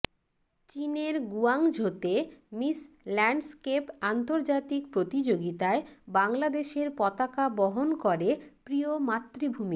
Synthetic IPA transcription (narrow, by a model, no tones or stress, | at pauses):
t͡ɕineɾɡuaŋd͡ʑʱot̪emis | lɛɳɖskepant̪oɾd͡ʑat̪ikpɾot̪id͡ʑoɡit̪aebaŋlad̪eʃeɾpɔt̪akabɔɦonkɔɾepɾiomat̪ːɾibʱumi